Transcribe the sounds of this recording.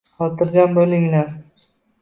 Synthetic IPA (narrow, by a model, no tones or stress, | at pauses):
qɒlt̪ʰɪɾɡʲanbolɪŋlaɾ